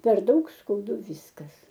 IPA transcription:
pʲɛr ˈdɐʊk skɐʊˈdʊ ˈʋʲiːskɐs

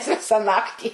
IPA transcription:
ˈʋʲɪsɐ ˈnɑːktʲiː

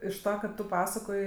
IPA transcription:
ɪʃ ˈtɑː kɐ ˈtʊ ˈpɑːsɐkoːj

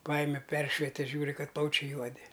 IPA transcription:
ˈpɑːjɪmʲɛ ˈpʲɛrʲʃʲʋʲɛtʲɛ ˈʒʲuːrʲɪ ˈkɐt ˈplˠɐʊt͡ʃʲɛɪ ˈjuɔdʲɪ

